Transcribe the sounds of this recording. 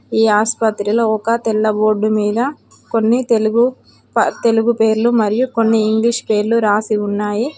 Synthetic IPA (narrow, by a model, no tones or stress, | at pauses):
iːaːspɐt̪ɾilo̞ːɔkɐt̪ɛlːɐbo̞ːɖːumiːd̪ɐ | ko̞nːit̪eluɡu | pɐt̪e̞luɡupe̞ːɾlumɐɾijuko̞nːiːŋɡliʂpe̞ːɾluɾaːsiunːaːji